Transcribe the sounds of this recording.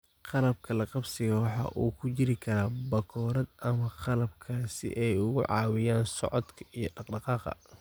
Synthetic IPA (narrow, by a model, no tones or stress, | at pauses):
qɑlɐb̚kʰɐlɐqɑbsɪɣɐwɑħɑ̰ʔuːkʰʊt͡ʃɪɾɪkʰɐɾaːbɐkʰɔːɾɐd̪ɐmɐqɑlɐbkʰaːsɪ̰ʔɛjʊɣʊʕɑ̰ːwɪjaːnsɔ̰ʕɔd̪kʰɐ̥ijɞɖɑqɖɑqɑːqɑ̰